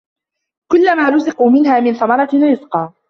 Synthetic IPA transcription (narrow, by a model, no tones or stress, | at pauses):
kʊlːamaːlʊsɪquːmɪnhaːmɪnθɑmɑɾˤɑɾɪzqɑː